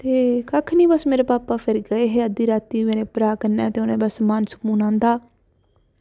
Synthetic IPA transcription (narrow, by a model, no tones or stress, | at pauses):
t̪eːkəkʰniːbəsmeːɾeːpaːpaːpʰɪɾɡəeːɦeːəd̪iːɾaːt̪iːmeːnẽːpɾaːkənaːt̪eːʊnẽːbəsmaːnsə̥kuːnãːnd̪aː